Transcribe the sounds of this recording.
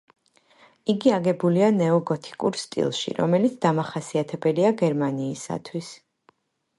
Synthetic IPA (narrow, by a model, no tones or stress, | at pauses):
iɡiaɡɛbulianɛɔɡɔt̪ʰi̥kʼuɾst̪ʼḭlˠʃḭɾɔ̰mɛlit̪sʰd̪amaχasiat̪ʰɛbɛliaɡɛɾmaniːsa̰t̪ʰwis